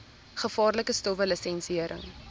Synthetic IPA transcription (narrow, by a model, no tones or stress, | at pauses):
χəfɑːrləkəstɔvələsɛnsiiəɾʔə̰ŋ